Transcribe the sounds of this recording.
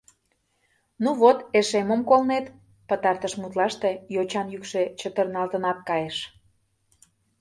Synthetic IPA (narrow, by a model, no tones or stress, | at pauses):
nuβot̪eʃeməmkolnet̪ | pət̪ɑrt̪əʃmut̪lɑʃt̪ejot͡ɕɑnjykʃe̽t͡ɕət̪ərnɑlt̪ənɑt̪̚kɑjeʃ